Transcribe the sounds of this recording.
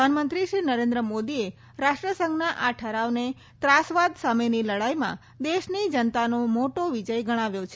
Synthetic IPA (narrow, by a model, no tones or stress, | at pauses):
anmənt̪ɾiʃɾinəɾend̪ɾəmod̪ie | ɾaʃʈɾəsə̃ŋɡnaʔaʈʰəɾaʋne | t̪ɾasʋad̪sameniləɽajmã̰ | d̪eʃnid͡ʒənt̪anomoʈoʋid͡ʒəjɡəɽ̃aʋjot͡ʃʰ